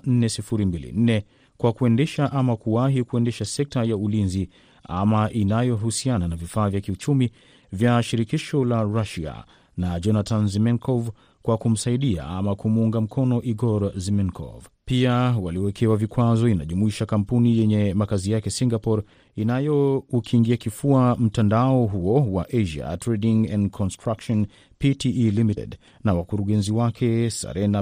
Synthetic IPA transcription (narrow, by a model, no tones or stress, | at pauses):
n̩nɛsifuɾimbilḭn̩nɛ | kwakuɛndɛʃaʔamakuwaɦikuɛndɛʃasɛk̚tajaulinzi | a̰maʔinajɔɦusiananavifaːvjakiut͡ʃumi | vjaʃiɾikiʃɔlaɾaʃia̰ | nad͡ʒɔnatʰanzimɛŋkʰɔv | kwakum̩saiɗia̰a̰makumuŋɡam̩kʰɔnɔʔiɡɔɾzimɛnkʰɔ̰vpiawaliwɛkʰɛwavikwazɔinaʄumuiʃakampunijɛɲɛmakazijakɛsiŋɡapɔɾ | inajɔukʰiŋɡiakifuam̩tandaɔɦuɔwaʔeʒa̰tɾɛɗiŋɛ̃ndkʰɔnstɾakʃɔn | pitiilimitɛ̰d | nawakuɾuɠɛnziwakʰɛsa̰ɾɛna